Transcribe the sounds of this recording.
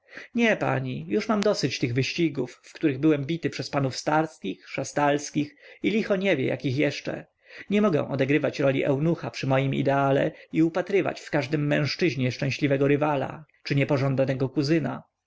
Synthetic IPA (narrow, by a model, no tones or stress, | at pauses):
ɲɛpa̰ɲijuʂmamd̪ɔsɘt͡ɕt̪ɘɣvɘɕt͡ɕiɡufːkt̪uɾɘɣbɘwɛmbʲit̪ɘpʂɛspanufst̪aɾskʲixʂast̪alskʲixilʲixɔɲɛvʲjɛ̰ja̰kʲixjɛʂt͡ʂɛ̰ | ɲɛmɔɡɛ̰̃w̃ʔɔd̪ɛɡɾɘvat͡ɕɾɔlʲḭʔɛ̰wnuxapʂɘmɔjimḭd̪ɛalɛ̰iupat̪ɾɘva̰t͡ɕfkaʐd̪ɘmːɛ̃w̃ʂt͡ʂɘʑɲɛʂt͡ʂɛ̃ɕlʲivɛɡɔɾɘvala̰t͡ʂɘɲɛpɔʐɔnd̪at̪ɛɡɔkuzɘna